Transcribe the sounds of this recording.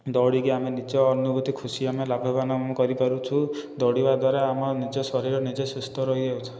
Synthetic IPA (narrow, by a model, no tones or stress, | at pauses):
d̪ɔɽikiamenit͡ʃɔːnubut̪ikʰusiamelabʱɔbanɔmɔkɔɾipaɾut͡ʃʰud̪ɔɽibad̪waɾaamɔnid͡ʒɔsɔɾiɾɔnid͡ʒesust̪ɔɾɔɦid͡ʒeut͡ʃʰɔ̥